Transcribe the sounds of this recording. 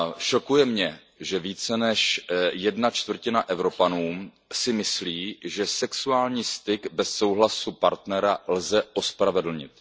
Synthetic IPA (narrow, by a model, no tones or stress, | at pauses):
ʃokujɛmɲɛ | ʒɛviːt͡sɛnɛʃjɛdnat͡ʃt̪vr̩cɪnaʔɛvɾo̞panuːm | sɪmɪsliːʒɛsɛksuaːlɲiːst̪ɪɡbɛsːo̞wɦlasupaɾt̪nɛɾalzɛʔo̞spɾavɛdl̩ɲɪ̰t̪